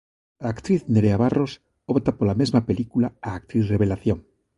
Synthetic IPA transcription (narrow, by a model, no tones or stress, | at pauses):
aːkt̪ɾiθneɾeaβarʔos | opt̪apolamezmapelikulaaːk̚t̪ɾiθreβelaθjoŋ